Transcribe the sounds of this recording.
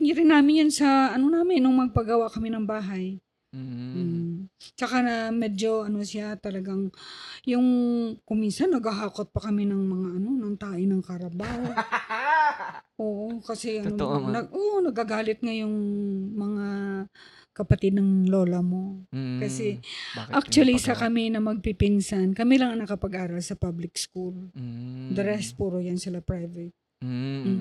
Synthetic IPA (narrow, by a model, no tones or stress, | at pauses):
ŋɪɾɪnːaːmɪnjansɐɐnonaːmɪnnoŋmɐɡ̚pɐɡɐwaʔkɐmɪnɐŋbaːɦaj̩ | t͡ʃɐkanɐmɛd͡ʒo̞ʔɐno̞sɪat̪ɐlɐɡaŋjʊŋkʊminsɐnːɐɡɐɦaːkot̪̚pɐkɐmɪnɐŋmɐŋaʔɐno̞nɐŋt̪aːʔɪnɐŋkɐɾɐbaːho | ʔoːʔokɐsɛʔɐnonɐʔoʔonɐɡ̚aɡaːlɪt̪̚ŋajʊŋmɐŋa | kɐpɐt̪ɪd̪̚nɐŋlo̞ːlɐmo̞kɐsɛʔak̚t͡ʃuɐlisɐkɐmɪnɐmɐɡ̚pipinsankɐmilɐŋɐŋnɐkɐpɐɡʔaːɾɐlsɐpablɪkskul | d̪ɐɾɛst̪̚puːɾojɐnsɪlɐpɹajvɛt̪̩̚